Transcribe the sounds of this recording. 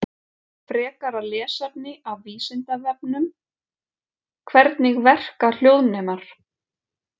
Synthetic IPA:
fɾɛːkaɾalɛːsap̚nɪʔawviːsɪnt̪avɛpnʏm | kʰvɛɾt̪nɪɣvɛr̥kal̥joːwðnɛːmaɾ̥

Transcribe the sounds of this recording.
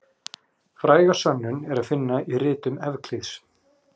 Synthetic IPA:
fɾaːjɣasœnːʏnɛɾaðfɪnːairɪːt̪ʏmɛvkʰliðs

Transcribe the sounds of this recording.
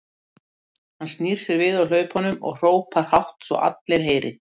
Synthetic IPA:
hanst̪niːɾ̥sɛɾvɪðawl̥œːɥphɔnːʏmɔ̰ɣr̥oːwpaɾ̥hawht̪svɔ̰ʔa̰t̪leɾ̥ɦeːjɾɪ

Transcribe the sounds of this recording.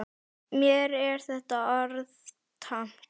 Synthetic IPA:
mjɛɾɛɾ̥θɛht̪aɔɾð | t̪ʰam̥

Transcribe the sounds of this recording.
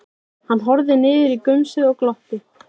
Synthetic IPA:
hanːɦɔɾðɪnɪːðɪɾikʏmsɪðɔɣklɔht̪ɪ

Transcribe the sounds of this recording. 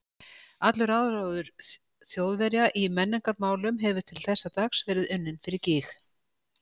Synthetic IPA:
at̪lʏɾaðɾoːwðʏɾ̥ | θjowðvɛɾjaʔimɛnːɪŋkaɾmaːwlʏmɦɛvʏɾ̥t̪ʰɪlθɛsːat̪aksvɛːɾɪðʏnːɪnfɪɾɪɾcɪːx

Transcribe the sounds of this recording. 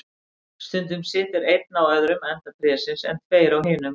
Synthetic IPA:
st̪ʏnt̪̬ʏmsɪːt̪ɪɾejt̪̚nawœðɾʏmɛn̥t̪apʰɾɪasɪnsɛ̰n̥t̪ʰveːjɾawɦɪːnʏm

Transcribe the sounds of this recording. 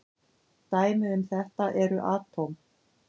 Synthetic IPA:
t̪aːjmʏʏmθɛht̪aʔɛɾʏʔaːt̪ʰom

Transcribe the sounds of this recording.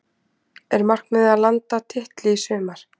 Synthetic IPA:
ɛɾmar̥knmɪðalant̪at̪ʰɪht̪lɪisʏːmaɾ̥

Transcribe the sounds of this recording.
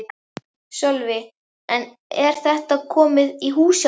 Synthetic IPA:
sœlvɪ | ɛn | ɛɾ̥θɛht̪akʰɔːmɪðiɦuːsj

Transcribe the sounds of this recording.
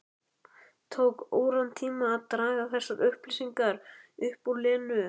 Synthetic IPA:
t̪ʰoːwkoːwɾant̪ʰiːmaːðt̪ɾaːɣaθɛsaɾʏhplisiŋkaɾʏhpuɾlɛːnʏ

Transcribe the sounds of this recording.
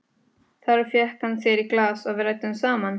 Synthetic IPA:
θaɾfjɛhkhanːsjɛɾiklaːsavɪɾajt̪ʏnsaːman

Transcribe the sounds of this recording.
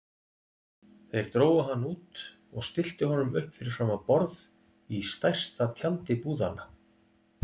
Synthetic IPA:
θejɾ̥t̪ɾoːwaɦanːuːt̪ | ɔɣst̪ɪl̥t̪ʏɦɔnʏmʏhpfɪɾɪɾ̥faːmapɔɾð | ist̪ajr̥st̪at̪ʰjalt̪ɪpuːðanːa

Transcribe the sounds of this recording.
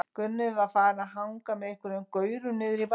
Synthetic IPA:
kʏnːʏvafaːɾaɦawŋkamɛðɪhkvʏɾʏmkœɥɾʏnɪðɾip

